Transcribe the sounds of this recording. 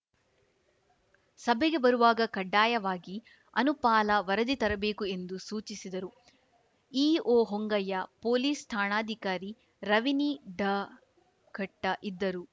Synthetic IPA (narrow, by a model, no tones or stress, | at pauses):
sɐbʱɛɡe̞bɐɾuʋaːɡɐkɐɖːaːjɐʋaːɡi | ɐnupaːlɐʋɐɾɐd̪it̪ɐɾɐbe̞ːkue̞nd̪usuːt͡ʃisid̪ɐɾu | iːoːɦoŋɡɐjɐpoːliːst̪ʰaːɳaːd̪ʱikaːɾi | ɾɐʋiniɖɐ | kɐʈːɐʔid̪ːɐɾu